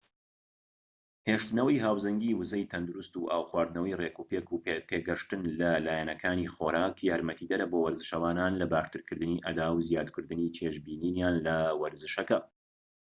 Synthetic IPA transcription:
heʃt̪ɨnɐwɐjɦaːwzɐŋɡʲiːwɨzɐjt̪ʰɐnd̪uɾust̪uʔa̰ːwxwaːɾd̪nɐwɐjrekuːpeːkupet̪ʰeːɡɐʃt̪ɨnlɐlaːjɛnɐkʰaːniːxoːɾaːkjaːɾmɐt̪ʰiːd̪ɐɾɐbowɐɾzɨʃɐwaːnaːnlɐbaːʃt̪ɨɾkʰɨɾd̪ɨniːʔɐd̪aːwzjaːd̪kʰɨɾd̪ɨniːt͡ʃʰeʃbiːniːnjaːnlɐwɐɾzɨʃɐkɐ

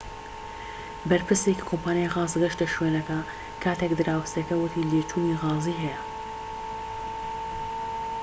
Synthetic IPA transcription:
bɐɾpʰɨɾseki̥kʰompʰaːnjajɣaːzɡɐʃt̪ɐʃweːnɐkɐ | kʰaːt̪ʰekd̪ɨɾaːwst̪ɐkɐwʊt̪ʰiːleːt͡ʃʰuːniːɣaːziːɦɛjɛɐ

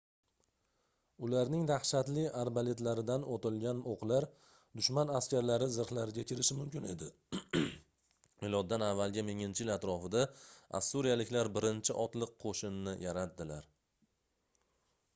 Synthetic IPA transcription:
ʊlaɾnɪŋd̪ahʃat̪lɪaɾbale̞t̪laɾɪd̪anot̪ɪlˠɡʲanoqlaɾ | d̪ʊʃmanaskʲaɾlaɾɪzɨɾχlaɾɪɡʲakʲʰɪɾɪʃɪmʊmkʲɪne̞d̪ɪ | ɪlˠɒt̪̚d̪anavːalˠɡʲamɪŋɪnt͡ʃʰɪjɪlat̪ɾɒfɪd̪aa̰sːuɾijalɪkʲlaɾbɪɾɪnt͡ʃʰɪʔɒt̪lˠɪqqʰːoʃɪnːɪjʔaɾat̪̚d̪ɪlaɾ

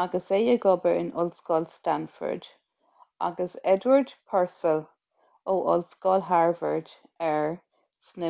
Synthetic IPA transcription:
aɡəsejəɡɔbəɹɪ̰nʔʊ̰lsɡɔːlstanfə̰ɹd̥ | a̰ɡəsɛdwəɹdpʰɛɹsəl | oʔɔlsɡɔːlɦaɹvəɹd̥ | ɛɹ | snɪ

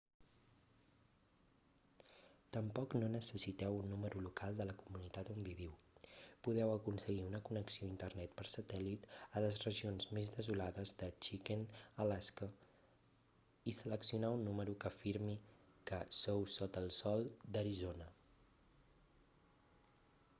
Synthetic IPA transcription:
t̪əmpɔknonəsəsit̪ɛwunːuməɾulukalˠd̪ələkumunit̪at̪ombiβiwpuðɛwəkunsəɣiunəkunəksioint̪ərnɛt̪̚pəɾsət̪ɛlit̪ələzrəʒionzmezðəzulaðəzðət͡ʃikenəlaskə | isələksiunaunːuməɾukəfiɾmi | kəsowsɔt̪əlˠsɔlˠd̪əɾizonə

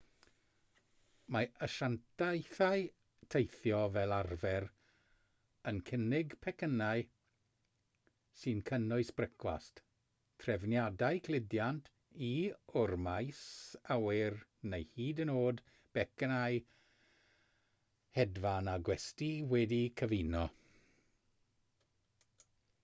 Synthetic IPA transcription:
maəʃantʰajθaj | tʰejθjɔvɛlˠarvɛr | ənkʰənɪɡpʰɛkʰənaɨ | sɨnkʰənʊɨsb̥rəkʰwa̰st | tʰrɛvnjadajkʰlˠɪdjantʰ | iʊrmajsawɪrnejhiːdənoːd | b̥ɛknaj | hɛdvanaɡwɛstiwɛdikʰəvinɔ

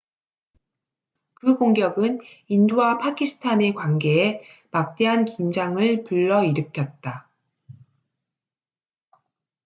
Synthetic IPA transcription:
kɯɡoŋɡjʌɡɯninduwapʰakʰisʰɯ̥tʰane̞kwanɡe̞emak̚t͈eɦankind͡ʑaŋɯɭpuɭːʌiɾɯkʰjʌt̚t͈a

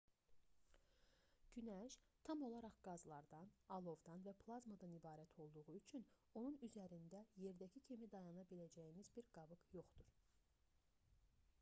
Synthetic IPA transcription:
ɟ̥ynæʃt̪ʰɑmo̞lˠɑɾɑχɡ̥ɑzlˠɑɾd̪ɑnɑlˠo̞vd̪ɑnvæpʰlˠɑzmad̪ɑnibɑːɾæt̪ʰo̞lˠd̪uʁuyt͡ʃʰyn | o̞nunyzæɾind̪æje̞ɾd̪æcʰicʰimid̪ɑjɑnɑbilæd͡ʒæjimizbiɾɡɑbɯkjo̞χd̪̥uɾ̥

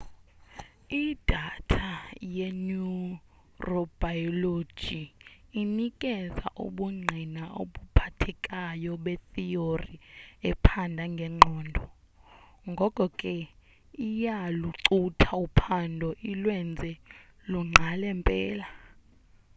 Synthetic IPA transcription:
id̥ʱatʰajenu | rɔb̥ajɔlo̥d͡ʒʒ̥ʱiːnikʼɛza̰ʔṵɓuŋ͡ǀʱinao̰ɓupʰatʰɛkʼajɔɓɛθioriɛpʰandʱaŋɡʱɛŋ͡ǃʱɔːndʱɔ | ŋɡʱɔkʼɔkʼɛ | ijaluǀutʰaupʰandʱɔʔilwɛnd͡zʱɛluŋ͡ǀʱalɛmpʼɛːla

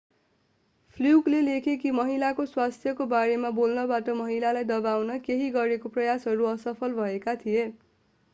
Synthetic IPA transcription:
pʰliuklelekʰekimʌɦilakoswast̪ʰjʌkobaɾemabolnʌbaʈʌmʌɦilalajd̪ʌbawnʌkeɦiɡʌɾekoprʌjasɦʌɾuʌsʌpʰʌlbʱʌekat̪ʰije

